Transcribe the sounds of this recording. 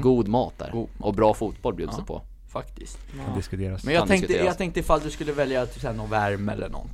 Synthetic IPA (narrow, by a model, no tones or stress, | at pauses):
ɡuːd̪mɑːt̪̚d̪æ̰ːɾʔɔbɾɑːfuːt̪̚bɔlbjʉːd̪sɛpʰɔ̰ | fakt̪ɪst̪ʰnd̪ɪskɵt̪ʰeːɾamɛnjɑːɛŋk̪əjɑːt̪ɛŋk̚t̪əɪfalːd̪ɵskɵlːəvɛljat̪̚d̪sɛːnɔnvæɾmɛ̰lːəɳɔ̰nt̪